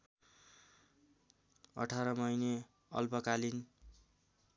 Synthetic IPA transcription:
ʌ̰ʈʰaɾʌmʌjne | ʌ̰lpʌkalin

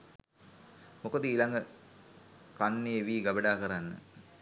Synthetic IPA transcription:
mokod̪əiːlaŋɡə | kanːeːʋiːɡabəɖaːkəɾanːə̰

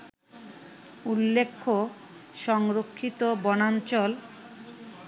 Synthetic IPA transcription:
ulːekʰːo | ʃɔŋɾokʰːit̪obɔnant͡ɕɔl

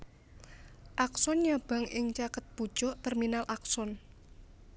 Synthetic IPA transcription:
ʔaksɔnɲab̥a̤ŋɪŋt͡ʃakət̪̚b̥u̥ʒ̥ɔʔt̪ɛrminalʔaksɔn

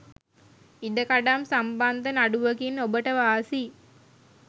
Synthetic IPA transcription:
id̪əkaɖamsamband̪ənaɖuʋəkinobəʈəʋaːsi

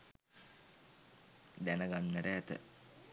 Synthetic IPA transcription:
d̪ænəɡanːɛʈəæt̪ə̰

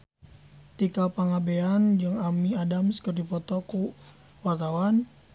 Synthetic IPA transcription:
t̪ikapaŋabeand͡ʒɨŋamiadamskərdipɔt̪ɔku | wart̪awan

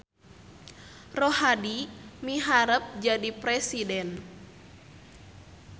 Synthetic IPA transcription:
rɔhadimiɦaɾəp̚d͡ʒadipɾɛsidɛn

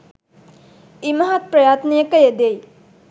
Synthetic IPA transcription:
imɐɦat̪̚pɾɐjaːt̪nejəkəjed̪ej

